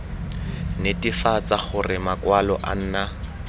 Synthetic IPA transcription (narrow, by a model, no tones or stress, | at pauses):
netifat͡saχʊrɪmakwalɔʔa̰n̩ːna